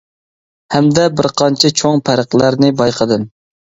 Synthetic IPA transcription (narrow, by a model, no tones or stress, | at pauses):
hɛmd̪ɛbɪɾqʰɑnt͡ʃʰɛt͡ʃʰoŋpʰæɾəqlˠæɾnɪbɑjqʰəd̪ɨm